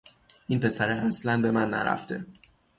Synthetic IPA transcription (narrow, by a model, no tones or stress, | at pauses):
ʔinpʰe̞sæɾeæslænbe̞mænːæ̰ɾæ̰ft̪ʰe̞